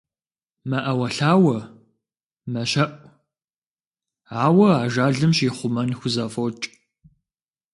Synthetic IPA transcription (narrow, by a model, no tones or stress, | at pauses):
mɐʔɐwɐɬaːwɐ | mɐɕɐʔʷʼ | aːwɐaːʒaːɮɨmɕiːχʷʊmɐnxʷʊzaːfot͡ʃʼ